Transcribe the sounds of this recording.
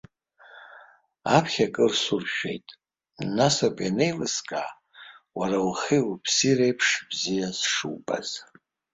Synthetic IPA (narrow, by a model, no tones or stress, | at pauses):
apʰχʲakʼɨrsurʃᶣḛjtʼ | nasakʷʼanejlɨskʼaː | waɾalχiwpʰsirejpʰʂbzijasʂṵwba̰z̥